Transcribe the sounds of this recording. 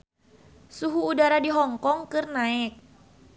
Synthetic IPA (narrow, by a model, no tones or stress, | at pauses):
suɦuːdaɾadiɦɔŋkɔŋkɨrnaɛk̚